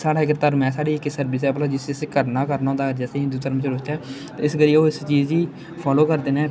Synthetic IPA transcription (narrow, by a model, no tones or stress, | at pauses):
saːɽaːɪkt̪əɾmɛ̃ːsaːɽiːɪkːsəɾbisɛːpəlaːd͡ʒɪsɪsekəɾnaːkəɾnaːɦõnd̪aːɾd͡ʒɛːseːɦɪ̃nd̪uːt̪əɾmt͡ʃəɾʊt̪aː | t̪ːɪsɡəɾiːoːɪst͡ʃiːd͡ʒd͡ʒiː | pʰɔːloːkəɾd̪eːnɛː